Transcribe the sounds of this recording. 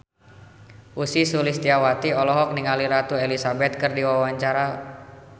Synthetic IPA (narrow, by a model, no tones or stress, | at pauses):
ʔusisulist̪iawat̪iɔlɔɦɔk̚niŋaliɾat̪uelisabɛt̪̚kɨrdiwawaɲt͡ʃaɾa